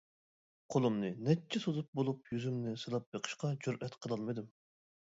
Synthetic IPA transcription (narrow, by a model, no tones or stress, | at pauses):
qʰolˠɨmnɨnɛt͡ʃʰːɛsozup̚bolˠupjyzymnɪsɨlˠɑp̚beqʰə̥ʃqɑd͡ʒuɾʔɛt̪qʰəlˠɑlˠmɨd̪ɨm